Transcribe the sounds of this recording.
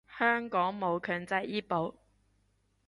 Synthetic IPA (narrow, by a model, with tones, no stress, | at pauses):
hœː˥ŋkɔː˨˥ŋmo˨˧wkʰœː˨˧ŋt͡sɐ˧jʔiː˥po˨˥w